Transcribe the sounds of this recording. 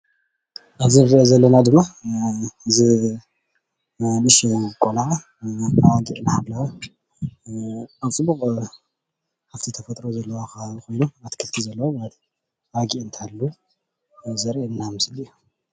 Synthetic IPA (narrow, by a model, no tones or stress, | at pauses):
ʔaβzinɨɾiʔezɐlːɐnad̪ɨmːa | zɨ | lɨʃekʼola | awaɡiʔnahaβlawa | aβt͡sʼɨbːuχʼ | ħaft̪ʰit̪ʰɐfɐt̪ʼɾozɐlːɐwakʰako̞jnuat̪kʰɨlt̪ʰizɐlːɐwoblat̪ | awaɡiʔɨnt̪ʰalːu | zɐɾʔeɨnːamɨsliju